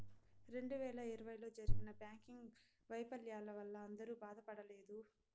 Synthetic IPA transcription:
ɾe̞ɳɖuʋɛːlɐiɾɐʋɐjlo̞ːd͡ʒɐɾuɡinɐbjaːŋkiŋɡ | ʋɐjpɐljaːlɐʋɐlːɐːnd̪ɐɾuːbaːd̪ɐpɐɽɐle̞ːd̪u

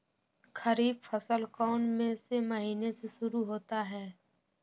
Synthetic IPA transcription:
xəɾiːbfəsəlkɔːnmẽsemɐɦiːneseʃʊɾuɦoːt̪aɦɛː

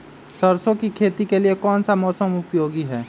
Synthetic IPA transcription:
səɾsõkikʰeːt̪ikeliekɔːnsamɔːsəmʊpjoːɡiɦɛː

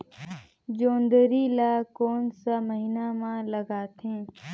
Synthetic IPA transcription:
d͡ʒoːnd̪əɾiːlaːkoːnsaməɦinamãləɡaːt̪ʰẽː

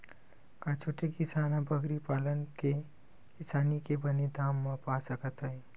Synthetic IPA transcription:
kat͡ʃʰoːʈekisaːnãbəɡɾipaːlənke | kɪsaːnikebəned̪aːmːãpasəkət̪ɦəi

